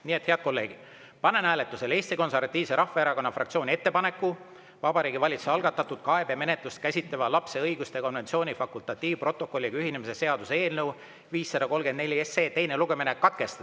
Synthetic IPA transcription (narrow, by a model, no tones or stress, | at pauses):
niːe̞t̪he̞ɑd̪̥̚ko̞lːe̞ːɡ̥i̥ | pɑne̞næːle̞t̪ːˑuse̞le̞ːst̪iko̞nseɾvɑt̪ːˑiːvseɾɑhːɑeɾɑko̞nːɑfrʔɑ̰k̚t̪sio̞ːnʲie̞t̪ːe̞pɑne̞kːˑu | vɑbɑɾiːɡivɑlʲit̪su̥seɑlɡ̥ɑt̪ːˑɑt̪ːud̪̥kɑe̞be̞me̞net̪lust̪̚kæsʲit̪levɑlɑpse̞ɤjɡ̥ust̪e̞ko̞nve̞nt̪sio̞ːnʲifɑkult̪ˑɑt̪ˑːiːvpro̞t̪ˑːo̞kːo̞lːiɡɑyhɦinemise̞se̞ɑd̪useːlnew | viːsːɑd̪̥ɑko̞lɡ̥end̪ne̞lʲieseːt̪e̞jne̞luɡemenekːɑt̪̚ke̞st̪ɑd̪̥